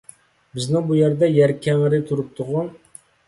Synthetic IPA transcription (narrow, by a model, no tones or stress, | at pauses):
bɪznɪŋbujæɾd̪ɛjæɾkʲʰɛŋɪɾɪt̪ʰuɾup̚t̪ʰʊʁu